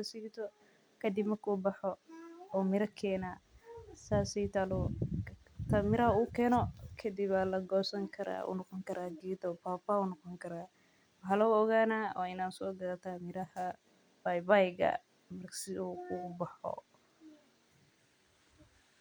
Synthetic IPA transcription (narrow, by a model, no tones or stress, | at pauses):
ɐsiːt̪ʰɔ | kʰɐd̪ɪbmɐrkʰuːbɑħɔɔːmɪɾɐkʰɛːnaːsaːsɛjt̪ʰalɔ | t̪ʰaːmɪɾɐɦɐuːkʰɛːnɔkʰɐd̪ɪβalɐɡɔːsɐŋkʰɐɾa̰ːṵnɔqɔŋkʰɐɾʔaːɡɛːd̪ɔpaːfaunɔqɔŋkʰɐɾaː | wɑħɑlɐʊɔɣaːnaːwʔaːɪnaːnsɔːɡɐlɐt̪ʰaːmɪɾɐhɐ | b̥ajbajɡɐ̰ | mɐrsɪuuːbɑħɔ̰